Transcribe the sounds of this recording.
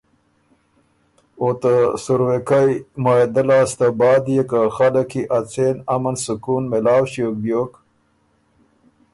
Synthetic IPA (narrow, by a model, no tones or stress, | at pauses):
ot̪əsuɾwekajmaːjd̪alɑːst̪abɑːd̪jekaxaləkiʔat͡senamansukunmelɑːwɕok̚bjok